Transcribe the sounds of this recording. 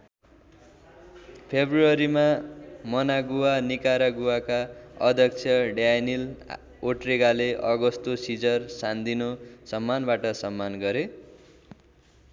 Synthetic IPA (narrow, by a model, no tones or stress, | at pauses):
pʰebruʌɾimamʌnaɡuwanikaɾaɡuwakaʌ̰d̪ʱjʌk̚t͡sʰjʌɖanil | oʈriɡaleʔʌɡʌst̪osid͡zʌrsand̪inosʌmːanbaʈʌsʌmːanɡʌɾe